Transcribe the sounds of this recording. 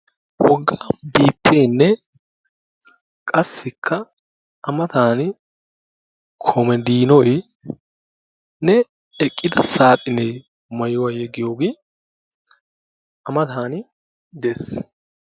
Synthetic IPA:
wɔɡːabiːpʰːeːnːɛ | kʼɐsːɪkʰːɐː | mɐt̪aːnɪ | kʰɔmɛd̪iːnɔj | nɛ | ɛkʼːɪd̪ɐsaːt̪ʼɪneː | mɐjʊwɐjɛɡɪjo̞ːɡɪ | ɐmɐt̪aːnɪ | d̪es

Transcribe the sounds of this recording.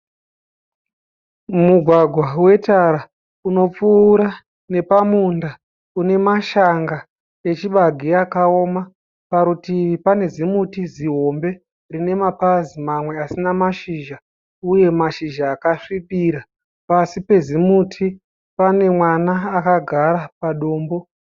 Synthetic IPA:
muɡʱwaɡʱwawe̞taɾa | uno̞p͡fuːɾa | ne̞pamunda | une̞maʃaŋɡa | e̞t͡ʃiɓaɡʱiakao̞ma | paɾutiipane̞zimutiziɦo̞mbe̞ | rine̞mapazimamwe̞asinamaʃiʒa | uje̞maʃiʒaːkaʂipiɾa | pasipe̞zimutʰi | pane̞mwanaːkaɡʱaɾapaɗoːmbo̞

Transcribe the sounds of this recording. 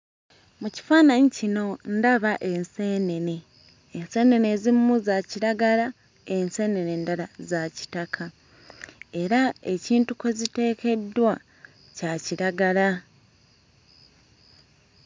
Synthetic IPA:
muci̥faːnaɲicino̞ndaβaʔe̞nse̞ːne̞ne̞ː | nse̞ːne̞ne̞zimːuzaciɾaɡaɾa | ense̞ːne̞ne̞ndaɾazaci̥takʰa | e̞ɾae̞ciːntukwezite̞ːke̞dːwa | caciɾaɡala

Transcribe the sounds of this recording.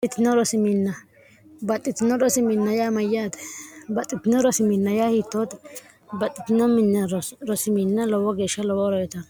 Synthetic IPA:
ɪt̪ːɪnɔɾɔsɪmɪnːɐ | bɐt̪ʼːɪt̪ːɪnɔɾɔsɪmɪnːɐjaːmɐjaːd̪ɛ̥bɐt̪ʼːɪt̪ɪnɔɾɔsɪmɪnːɐjaːhiːt̪ːoːt̪ | bɐt̪ʼːɪt̪ːɪnːɔmɪnɐɾɾɔsɪmɪnːɐlɔwɔɡeːʃːɐlɔwɔɾɔjɛt̪ɐn

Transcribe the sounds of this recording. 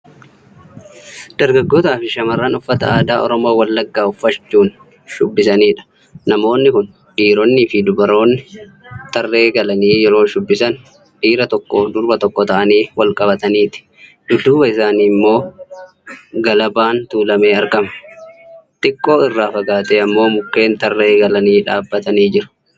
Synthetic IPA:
d̪̥ɐɾɡɐɡːoːt̪aːfɪʃɐmɐrːɐnʊfːɐt̪ɐaːd̪aːʔɔ̰ɾɔmo̞ːwɐlːɐɡːaːʊfːɐt͡ʃːuːn | ʃʊbːɪsɐniːᶑɐ̥ | nɐmo̞ːnːɪkʊn | ᶑiːɾɔnːɪːfɪd̪ʊbɐɾo̞ːnːɪ | t̪ʼɐrːe̞ːɡɐlɐniːjɛɾo̞ːʃʊbːɪsɐn | ᶑiːɾɐt̪ɔkːod̪ʊɾbɐt̪ɔkːɔt̪ɐʔɐniːwɐlkʼɐbɐt̪ɐniːt̪ɪ̥ | d̪̥ʊd̪uːbɐɪsaːniːmːo̞ː | ɡɐlɐbaːnt̪uːlɐme̞ːɐɾkɐmɐ̥ | t̪ʼɪkʼːo̞ːɪrːaːfɐɡaːt̪eːɐmːo̞ːmʊkːe̞ːnt̪ɐrːe̞ːɡɐlɐniːᶑaːbːɐt̪ɐniːd͡ʒɪɾʊ̥

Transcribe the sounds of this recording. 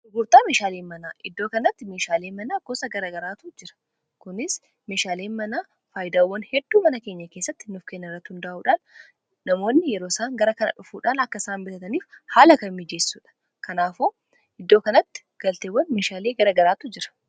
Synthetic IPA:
ʔʊɡuːɾt̪aːmeːʃaːleːnmɐnaːʔɪd̪ːoːkɐnɐt̪ːɪmeːʃaːle̞ːmɐnaːɡ̥ɔsɐɡɐɾaːɡɐɾaːt̪ud͡ʒɪɾɐ̥ | kʊnɪs | me̞ːʃaːleːnmɐnaː | faːjd̪aːwːɐnhɛd̪̥ːuːmɐnɐkeːɲːɐkeːsːɐt̪ːɪnʊfkenːɪrːɐt̪ːhʊnd̪ɐʔuːᶑaːnː | ɐmo̞ːnːɪjɛɾoːsaːŋɡɐɾɐkɐnɐ̰ᶑʊfuːᶑaːnɐkːɐsaːnbɪt̪ɐt̪ɐniːfhaːlɐkɐmɪd͡ʒeːsːuːᶑɐ̥ | kɐnaːfoː | ʔɪd̪ːo̞ːkɐnɐt̪ːɪ̥ | ɡ̥ɐlt̪ewːɐnmeːʃaːleːɡɐɾaːɡɐɾaːt̪ʊd͡ʒɪɾɐ̥

